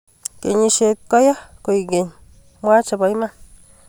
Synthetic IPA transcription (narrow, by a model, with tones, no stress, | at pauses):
ke˨ɲĩ˧ʃe˧t̪̚ka˦ja˦kʷe˧jɡe˨ɲ | mwa˦t͡ʃa˧ba˧jmã˦